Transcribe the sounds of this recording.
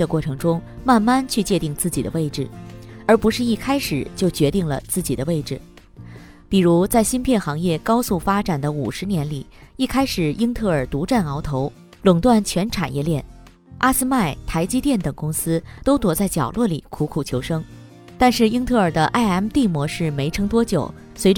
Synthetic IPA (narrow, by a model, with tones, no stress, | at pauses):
ə˧kwɔ˥˩ʈ͡ʂʰɤ˧˥ŋʈ͡ʂʊ˥ŋma˥˧nma˥˧nt͡ɕʰy˥˧t͡ɕjɛ˥˧t̪i˥˧ŋt͡sɹ̩˥˩t͡ɕḭ˨˩d̪ə̰˦we˥˩ɪʈ͡ʂɻ̩˨˩ə˞˧˥pu˧˥ʂɻ̩˥˧i˥˩kʰa˥ɪʂɻ̩˨˩t͡ɕjo˥˩ʊt͡ɕɥɛ˧˥t̪i˥˩ŋlə̰˩t͡sɹ̩˥˩t͡ɕi˨˩d̪ə˦we˥˩ɪʈ͡ʂɻ̩˨˩ | pi˨˩ɻu˧˥t͡sa˥˩ɪɕi˥npʰjɛ˥˩nxɑ˧˥ŋjɛ˥˩kɑ˥ʊsu˥˩fa˥ʈ͡ʂa˨˩nd̪ə˦u˨˩ʂɻ̩˧˥njɛ˧˥nli˨˩˦ | i˥˩kʰa˥ɪʂɻ̩˨˩i˥ŋt̪ʰɤ˥˩ə˞˨˩t̪u˧˥ʈ͡ʂa˥˩nɑ˧˥ʊt̪ʰo˧˥ʊ | lɤ˨˩ŋt̪wa˥˩nt͡ɕʰɥɛ˧˥nʈ͡ʂʰa̰˨˩njɛ˥˧ljɛ˥˩n | ʔa˥sɹ̩˥ma˥˩ɪt̪ʰa˧˥ɪt͡ɕi˥t̪jɛ˥˩nt̪ɤ˨˩ŋkʊ˥ŋsɹ̩˥t̪o˥ʊt̪wɔ˧˥t͡sa˥˩ɪt͡ɕjɑ˨˩ʊlwɔ˥˩li˨˩kʰu˧˥kʰu˨˩t͡ɕʰjo˧˥ʊʂɤ˥ŋ | t̪a˥˧nʂɻ̩˥˩i˥ŋt̪ʰɤ˥˩ə˞˨˩d̪ə˦ʔa˥˧ɪa˥˩nt̪i˥˩mwɔ˧˥ʂɻ̩˥˩me˧˥ɪʈ͡ʂʰɤ˥ŋt̪wɔ˥t͡ɕjo˨˩ʊ | swe˧˥ɪʈ͡ʂ